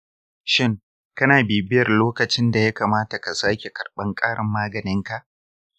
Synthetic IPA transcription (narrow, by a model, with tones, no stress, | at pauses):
ʃɪ˦ŋ | kɐ˦naː˨biː˨bɪ˦jɐ˨rloː˦kɐ˨t͡ʃɪ˦nda˨ja˦kaː˨maː˦ta˨ka˨saː˦kʲe˨kɐ˨rɓɐ˦ŋkʼaː˦ɽɐ˨mːaː˦ɡɐ˨nɪ˦ŋka˨ʔ